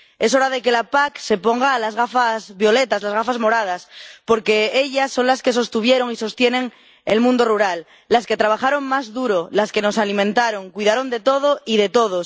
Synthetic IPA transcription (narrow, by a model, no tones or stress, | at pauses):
e̞s̬o̞ɾaðe̞ke̞lapakse̞po̞ŋɡaːlazɣafazβjo̞le̞t̪azlazɣafazmo̞ɾað̞aspo̞ɾke̞eʎasːo̞ŋlaske̞s̬o̞st̪uβje̞ɾo̞ŋiso̞st̪je̞nẽ̞ŋ | ḛlmũnd̪o̞ruɾalː | aske̞t̪ɾaβ̞axaɾo̞ŋmazðuɾolaske̞no̞salimẽnt̪aɾo̞ŋkwiðaɾo̞nd̪e̞t̪o̞ð̞oiðe̞t̪o̞ð̞o